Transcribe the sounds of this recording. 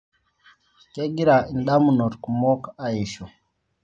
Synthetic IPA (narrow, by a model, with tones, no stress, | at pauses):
kɛ˦ɡi˦ɾa˨i˨nɗa˦mu˨nɔ˨ɾku˨mɔ˦ka˦i˨ʃɔ˨